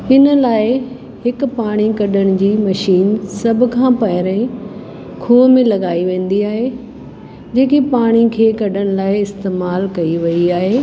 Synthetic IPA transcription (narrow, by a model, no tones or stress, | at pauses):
ɪnə̆laːɪ | ɦɪkpaːɽ̃ikɐɗəɽ̃ʊd͡ʑiːmɐʃiːnsɐbʱʊ̆kʰãːpɐɦɪɾẽ | kʰuːmẽlɐɠaːiʋẽːn̆d̪iaːɦeː | d͡ʑeːkipaːɽ̃ikʰeːkɐɗəɽ̃̆laːɪɪst̪eːmaːlkɐiʋɐiaːɦeː